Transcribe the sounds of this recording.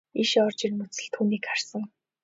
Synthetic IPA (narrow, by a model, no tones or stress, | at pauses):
iʃɔrt͡ɕirmɵt͡sɘ̆ɮt̪ʰːuːniːkχar̥sə̆ŋ